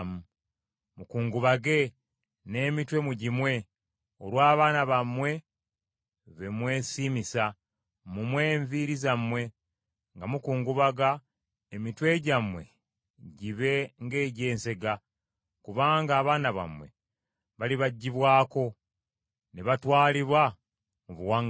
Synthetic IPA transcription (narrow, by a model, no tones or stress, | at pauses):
mu | mukuːŋɡuβaɡe̞ | ne̞ːmitwe̞muɟimwe̞ | oɾwaːβaːnaβamwe̞ | βe̞mwe̞ːsiːmisa | mumwe̞ːɱviɾizamwe̞ | ŋɡamukuːŋɡuβaɡa | emitwe̞ɟamwe̞̰ | ɟiβe̞ŋɡe̞ːɟe̞ːnse̞ɡa | kuβaːŋɡaːβaːnaβa̰mwe̞̰ | βaliβaɟːiβwaːko̞ | neβatwaːliβwa | muβuwaŋ